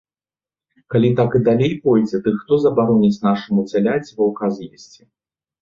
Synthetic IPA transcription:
kalʲit̪akɨd̪alʲejpɔjd͡zʲɛd̪ɨxt̪ɔzɐbaɾɔnʲit͡sʲnaʂɨmut͡sʲalʲat͡sʲvɐwkazjisʲt͡sʲi

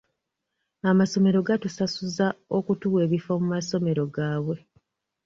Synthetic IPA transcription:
amaso̞me̞ɾo̞ɡatusasuzao̞kutuwe̞ːβifomumaso̞me̞ɾo̞ɡaːβwe̞

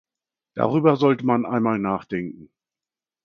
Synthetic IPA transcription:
d̥a̰ʁyːbɐzɔltəmanʔaɪnmaːlnaːχd̥ɛŋkŋ̩

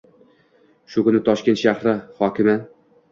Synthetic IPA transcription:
ʃʊkʊnɪt̪ʰɒʃkʲe̞nt̪ʃahɾɪhɒkʲɪma

